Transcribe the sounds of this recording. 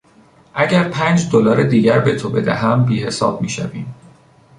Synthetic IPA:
ʔæɟæɾpʰæːnd͡ʒd̪olɒːɾed̪iːɟæɾbe̞t̪ʰo̞be̞d̪æɦæmbiːhe̞sɒ̰ːb̥̚miːʃæviːm

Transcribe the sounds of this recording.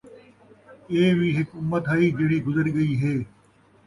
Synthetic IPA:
eːʋiːɦɪkʊmːət̪ɦɐiːd͡ʒeːɽiːɡʊzəɾiːɡɐiːɦeː

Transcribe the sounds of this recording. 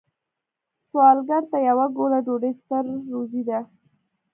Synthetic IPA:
swɑlɡaɾt̪ajawaɡolaɖoɖest̪əɾːozid̪a

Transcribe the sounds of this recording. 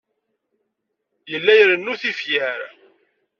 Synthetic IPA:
jəlːæjəɾənːuθifjæɾ

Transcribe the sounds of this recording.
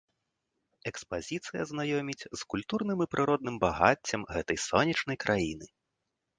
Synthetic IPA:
ɛkspazʲit̪sɨjɐ̰znajɔmʲit͡sʲzkulʲt̪urnɨmipɾʔɨɾɔd̪nɨmbaɣa̰t͡sʲːɐmɣɛt̪ɐjsɔnʲɛt͡ʂnɐjkɾʔajinɨ

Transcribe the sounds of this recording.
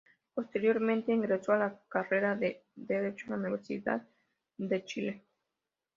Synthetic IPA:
po̞st̪e̞ɾjo̞ɾmẽnt̪e̞iŋɡɾe̞soalakare̞ɾaðeðeɾet͡ʃoaniβeɾsḭða̰ð | d̪e̞t͡ʃile

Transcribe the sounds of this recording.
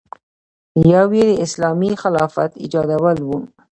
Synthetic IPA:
jɑwjed̪əɪslɑmixalɑfa̰t̪ɪ̰d͡ʒɑd̪awəlwu

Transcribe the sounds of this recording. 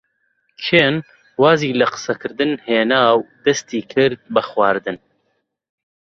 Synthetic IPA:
kʰeːn | waːziːlɐqɨ̥sɐkʰɨɾd̪ɨnheːnaːwd̪ɐst̪iːkʰɨɾd̪̚bɐxwaːɾd̪ɨn

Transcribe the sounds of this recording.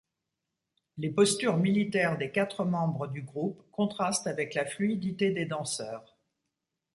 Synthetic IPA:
lepɔst̪yʁmilit̪ɛʁd̪ekat̪χəmɑ̃bʁəd̪yɡʁupkɔ̃t̪χast̪avɛklaflyid̪it̪ed̪ed̪ɑ̃sœːʁ

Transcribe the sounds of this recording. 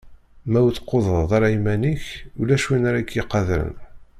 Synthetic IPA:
mæwθə̥qːoðˤəˤðˤɑɾimæniçulæʃwinaɾaɡjiqːɑðɾə̰n

